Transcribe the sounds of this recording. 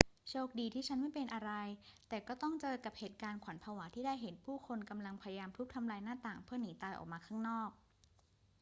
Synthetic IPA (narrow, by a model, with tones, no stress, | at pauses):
t͡ɕʰoː˥˩k̚diː˧t̪ʰiː˥˩t͡ɕʰa˦˥nma˥˩jpe˧nʔa˧ɾa˧jt̪ɛː˨˩kɔː˥˩t̪ɔ˥˩ŋt͡ɕɤː˧jka˨˩p̚heː˨˩t̪̚kaː˧nkʰwa˩˦npʰaː˧waː˩˦t̪ʰiː˥˩daː˥˩jɦe˩˦npʰuː˥˩kʰo˧nka˧mla˧ŋpʰa˧ja˧jaː˧mt̪ʰu˦˥k̚t̪ʰa˧mlaː˧jnaː˥˩t̪aː˨˩ŋpʰɯ˥˩ɐniː˩˦t̪aː˧jʔɔ̰˨˩k̚maː˧kʰaː˥˩ŋnɔː˥˩k̚